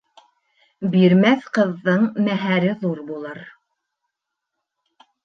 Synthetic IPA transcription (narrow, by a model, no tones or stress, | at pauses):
biɾmæθqɤ̆ðːɤɴmæɦæɾɘðuɾbulˠɤɾ